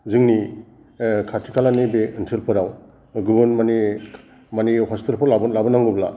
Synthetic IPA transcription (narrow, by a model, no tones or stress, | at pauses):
zɯŋni | kʰatʰi̥kʰalanibekinsʰɯlpʰɯɾaw | ɡɯbɯnmani | manihɔspitalpʰɔlabnlabɯnaŋɡubla̰